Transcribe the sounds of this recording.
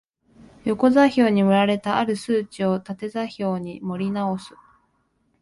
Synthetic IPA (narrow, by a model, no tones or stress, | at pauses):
jo̞ko̞zaçʲo̞ːɲ̟imɯ̟ɾaɾe̞t̪aaɾɯ̟sɨːt͡ɕio̞t̪at̪e̞zaçʲo̞ːɲ̟imo̞ɾʲinao̞sɨ̥